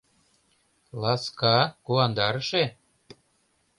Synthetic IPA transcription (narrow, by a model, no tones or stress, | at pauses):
lɑskɑkuɑnd̪ɑɾɤʃe